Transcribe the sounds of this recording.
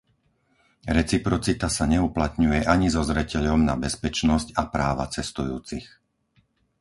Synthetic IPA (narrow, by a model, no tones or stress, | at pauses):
ɾɛt͡sipɾɔt͡sit̪asaɲɛuplat̪ɲujɛʔaɲizɔzɾɛcɛʎɔmnabɛspɛt͡ʃnɔscapɾaːʋa̰t͡sɛst̪ujuːt͡six